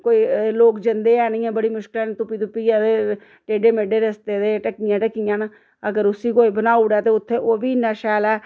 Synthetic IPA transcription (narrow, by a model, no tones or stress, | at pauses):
koːiːloːkd͡ʒənd̪eːɛːniːɛ̃ːbəɽiːmʊʃkɪəlɛːnt̪ʊpiːt̪ʊpiːɛːd̪eː | ʈeːɖeːmeːɖeːɾəst̪eːd̪eːʈəkiːjãːʈəkijãːna | əɡəɾʊsiːkoːiːbənaːʊɽɛːt̪eːʊt̪ʰːeːʔoːbiːnːaːʃɛːlɛː